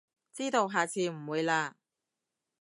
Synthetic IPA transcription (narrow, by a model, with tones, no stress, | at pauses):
t͡siː˥t̪o˨˧wɦaː˨t͡sʰiː˨˧m̩˨˩wuː˨˧jlaː˧